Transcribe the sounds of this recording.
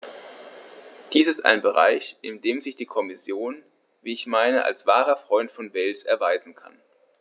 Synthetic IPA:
d̥iːsɪsta̰ɪnbəʁa̰ɪçʔɪndeːmzɪçd̥iːkʰɔmɪsjoːn | viːɪçmaɪnəʔa̰lsv̥aːʁɐfʁ̥ɔʏntfɔnvɛlsɛɐvaɪzn̩kʰa̰n

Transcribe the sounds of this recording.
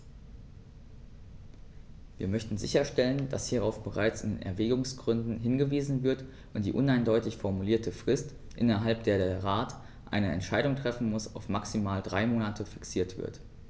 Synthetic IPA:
v̥ḭːɐmœçtn̩zɪ̰çɐʃtɛlənd̥a̰shiːʁ̞aʊfb̥əʁ̞aɪt͡sɪndḛːnʔɛ̰ɐvɛːɡʊŋsɡ̥ʁʏndn̩ɦɪnɡəviːzn̩vɪɐt | ʔʊntd̥ḭːʔʊnaɪndɔʏtɪçfɔɐmuliːɐtʰəfʁ̥ɪst | ʔɪ̰nɐɦalp̚d̥eːɐdeːɐʁaːt | ʔa̰ɪnəɛ̰ntʃaɪɾʊŋtʁ̥ɛfn̩mʊsaʊfmaksimaːldʁaɪmoːnatʰəfɪ̥ksiːɐtv̥ɪ̰ɐt

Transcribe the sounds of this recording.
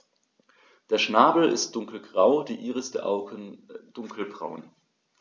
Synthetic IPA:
d̥eːɐʃnaːbl̩ɪ̰std̥ʊŋkl̩ɡʁaʊdiːʔiːʁəsd̥ḛɐʔa̰ʊɡənd̥ʊŋkʰl̩bʁa̰ʊn

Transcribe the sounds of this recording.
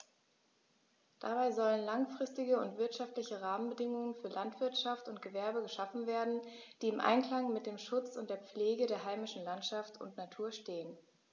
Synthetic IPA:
d̥a̰baɪzɔlənlaŋfʁ̥ɪstɪɡəʊntv̥ɪɐtʃaftlɪçəʁaːmənbədɪŋʊŋənfyːɐlʔantv̥ɪɐtʃaftʊntɡ̥əvɛɐbəɡəʃafn̩veːɐdn̩d̥iːɪmʔa̰ɪnkl̥aŋmɪt̚d̥eːmʃʊt͡sʊntd̥eːɐp͡fleːɡədeːɐɦaɪmɪʃn̩lantʃaftʊ̰ntnatʰuːɐʃteːən

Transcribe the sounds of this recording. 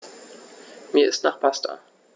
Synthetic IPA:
miːɐʔɪstnaːχpʰasta̰

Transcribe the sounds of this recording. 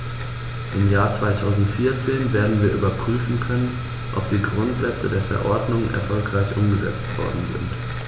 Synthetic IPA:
ʔɪmjaːɐt͡sv̥aɪtʰaʊzn̩tfiːɐt͡seːnveːɐdn̩viːɐʔyːbɐpʁ̥yːfn̩kʰœnən | ʔɔ̰p̚d̥iːɡʁʊntz̥ɛt͡sədeːɐfɛ̰ɐʔɔɐdnʊŋnʔɛ̰ɐfɔlkʁ̥aɪçʔʊmɡəzɛt͡stv̥ɔ̰ɐdn̩zɪ̰nt

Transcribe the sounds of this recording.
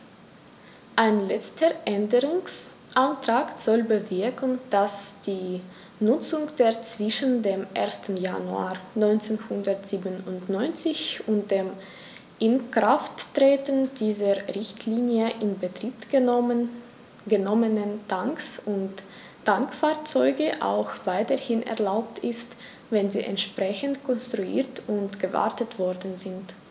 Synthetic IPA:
ʔaɪnlɛt͡stʰəʔɛndəʁʊŋsʔantʁ̥aːkz̥ɔlbəvɪɐkn̩d̥asd̥iː | nʊt͡sʊŋd̥eːɐt͡sv̥ɪʃn̩deːmʔeːɐstn̩ja̰nua̰ːɐnɔʏnt͡seːnhʊndɐtz̥iːbənʊntnɔʏnt͡sɪçʔʊnt̚d̥eːm | ʔɪnkʁaftːʁ̥eːtəndiːzɐʁɪçtʰliːnjəʔɪnbətʁ̥iːp | ɡ̥ənɔmənənaŋksʊntː | aŋkfaːɐt͡sɔʏɡəʔa̰ʊxv̥aɪtɐhɪnʔɛ̰ɐlaʊp̚tɪst | vɛnzḭːʔɛ̰ntʃpʁ̥ɛçəntkʰɔnstʁ̥uḭːɐtʊntɡ̥əva̰ɐtətv̥ɔɐdn̩zɪnt

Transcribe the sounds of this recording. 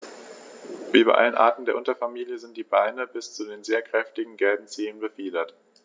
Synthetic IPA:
ʔyːbɐ̰ʔa̰lənʔa̰ːɐtn̩deːɐʔʊntɐfamiːljəzɪntd̥iːbaɪnəbɪst͡sudeːnzeːɐkʁ̥ɛftɪɡŋ̩ɡɛlbm̩t͡siːlənbəfiːdɐt

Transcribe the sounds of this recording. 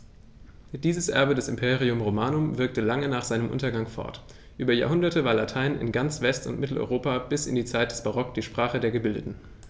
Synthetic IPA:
d̥iːzəsʔɛ̰ɐbədɛsɪmpʰeːʁiʊmʁomaːnʊmvɪɐk̚təlaŋənaːχz̥aɪnəmʔʊ̰ntɐɡaŋfɔ̰ɐt | ʔyːbɐja̰ːɐɦʊndɐtəvaːɐlatʰaɪnɪ̰nɡant͡sv̥ɛstʊ̰ntmɪtl̩ʔɔ̰ʏʁoːpab̥ɪsɪndiːt͡saɪt̚d̥ɛ̥sb̥aʁ̞ɔkd̥iːʃpʁ̥aːχədeːɐɡəbɪldətn̩

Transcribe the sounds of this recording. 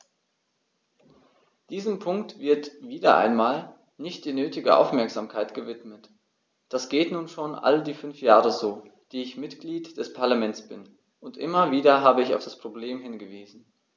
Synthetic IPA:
d̥iːzəmpʰʊŋktv̥ɪɐtv̥iːdɐ̰ʔa̰ɪnmaːl | nɪçtd̥iːnøːtɪɡəʔa̰ʊfmɛɐkz̥aːmkʰaɪtɡ̥əvɪtmət | d̥asɡ̥eːtnuːnʃoːnʔa̰ldiːfʏnfjaːʁəzoːd̥iːɪçmɪtɡ̥liːtd̥ɛspʰaɐlamɛnt͡sb̥ɪn | ʔʊntʔɪmɐviːdɐɦaːbəɪça̰ʊfd̥aspʁ̥obleːmɦɪnɡəviːzn̩

